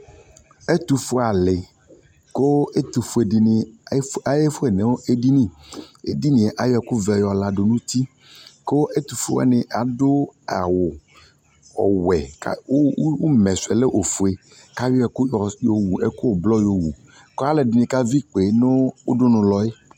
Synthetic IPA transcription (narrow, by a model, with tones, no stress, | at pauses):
e˦t̪u˨fu˦a˨lɪ˨ | ko˦e˦t̪u˨fu˨e˨di˨nɪ˨˦a˨je˦fu˦e˨nẽ˨˦wo˦ʔe˦di˦nĩ˦˨ḛ˨di˦nĩ˨e˨ʔa˨jɔ˦˨ku˦vɛ˨jɔ˨la˨ɖo˨nũ˦t̪i˦ | ko˦e˦t̪u˨fu˦ɛ̰˦nɪ̃˨ʔa˨do˦a̰˨wʊ˨ | ɔ̰˨wɛ˨ka̰˦wmɛ̃˨sɛ˨le˦ʔo˨fu˨e˨ | ka˦wi˦ɛ˦˨kʊ˦jɔ˨jo˨wu˨e˦ko˦˨blɔ˦jo˨wu˨ | ko˦a˨le˨di˨nɪ̃˨ka˦vi˦k͡pe˨˦nʊ̃˦wʊ˦ɖʊ˦nʊ̃˨lɔ˨e˦